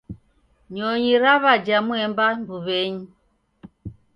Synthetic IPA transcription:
ɲɔɲiɾaβad͡ʒamwɛmbambuβɛɲi

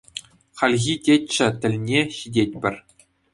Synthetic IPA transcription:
χɑlʲɣʲitʲet͡ɕːɘ̆t̪ʲɘ̆lʲnʲeɕidʲet̚ʲpʲɘ̆rʲ

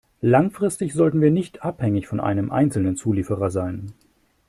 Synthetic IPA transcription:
laŋfʁ̥ɪstɪçz̥ɔltn̩viːɐnɪçtʰʔaphɛŋɪçfɔnʔa̰ɪnəmʔa̰ɪnt͡sl̩nənt͡suːliːfəʁɐzaɪn

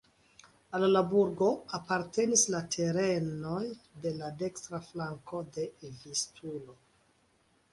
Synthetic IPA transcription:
allabuɾɡo̞apaɾte̞nislatʰe̞ɾe̞no̞jde̞lade̞kstɾaflaŋko̞de̞vistulo̞

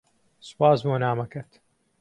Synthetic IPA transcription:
sɨ̥paːzbonaːmɐkɐt̪

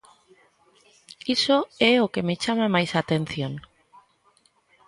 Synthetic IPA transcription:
isoɛokemet͡ʃamamajsat̪ẽn̟θjoŋ

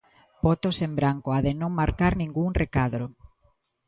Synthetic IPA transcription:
pɔt̪osembɾaŋkoaðenõŋmaɾkaɾnĩŋɡuŋrekaðɾo

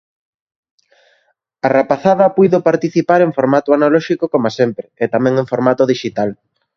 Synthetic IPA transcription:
arapaθaðɐpujðopaɾt̪iθipaɾeŋfoɾmat̪ʊanalɔʃikokomasempɾɪet̪amɛ̃ŋẽɱfoɾmat̪oðiʃit̪al

